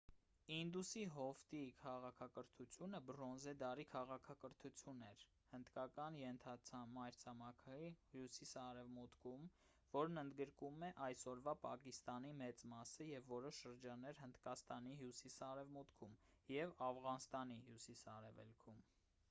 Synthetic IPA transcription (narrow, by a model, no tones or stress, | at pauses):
ind̪usiɦɔft̪ikʰɑʁɑkʰɑkəɾt̪ʰut͡sʰjunəbɾɔnzɛd̪ɑɾikʰɑʁɑkʰɑkəɾt̪ʰut͡sʰjunɛɾ | hənd̪kɑkɑnjɛnt̪ʰɑt͡sʰɑmɑjɾt͡sʰɑmɑkʰɑihjusisɑɾɛvmut̪kʰum | vɔɾnənd̪ɡəɾkumɛʔɑjsɔɾvɑpɑkist̪ɑnimɛt͡smɑsəjɛvːɔɾɔʃʃəɾd͡ʒɑnːɛɾhənd̪kɑst̪ɑniɦjusisɑɾɛvmut̪kʰumjɛvɑvʁɑnst̪ɑniɦjusisɑɾɛvɛ̰lkʰum